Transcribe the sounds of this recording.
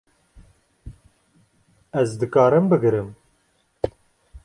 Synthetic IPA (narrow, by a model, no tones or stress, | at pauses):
ɛzd̪ɨkɑːɾɨmbɨɡɾɨm